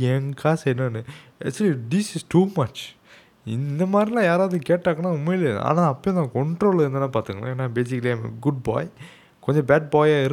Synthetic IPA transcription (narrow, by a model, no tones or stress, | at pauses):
ɛŋɡaːsɛɾnaːnɯɛ̰kt͡ʃːɐlid̪ɪsɪsʈuːmɐt͡ʃ | ɪnd̪ɐmaːd̪ɾilãːjaːɾaːʋðɯkeːʈːaːkɐnaːʊmːɐjɪlɐ̰a̰ːnãːɐpːoj̃nãkɔɳʈɾoːlɛɾɯnd̪ɐnːãːpaːɾt̪ɯŋɡɐɭa̰eːnːabeːsɪkːɐliɐ̃ɪmɐ̰ɡʊɖ̚ba̰ːj | kɔɲd͡ʒɐ̃baːɖ̚baːjaːɪɾ